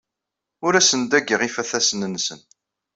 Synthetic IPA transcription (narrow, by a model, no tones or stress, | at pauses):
ʊɾæsənd̪æɡəʁifæθæsnənːsən